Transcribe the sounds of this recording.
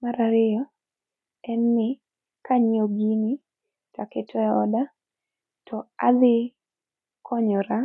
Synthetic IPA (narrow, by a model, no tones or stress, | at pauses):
maɾaɾɪɔ | ɛnːɪ | kaɲioɡini | takɪtʰɔɔ̰da | tʰɔad̪ɪ | kʰɔɲɔɾa